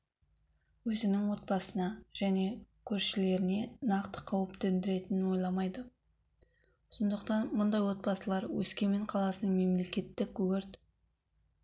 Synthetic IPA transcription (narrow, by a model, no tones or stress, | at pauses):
wɵzɪnɪŋwo̞t̪̚bɑsənɑʒ̥æne̞kʲʰɵɾʃɪle̞ɾɪne̞nɑqt̪ə̥qʰɑwɪpt̪end̪ɪɾe̞t̪ɪnɪnwo̞jlˠɑmɑjd̪ə | sond̪əqt̪ɑnmʊnd̪ɑjwo̞t̪̚bɑsəlˠɑɾwɵ̰skʲe̞meɴqʰɑlˠɑsənəme̞mle̞kʲe̞t̪ːɪkwɵɾt̪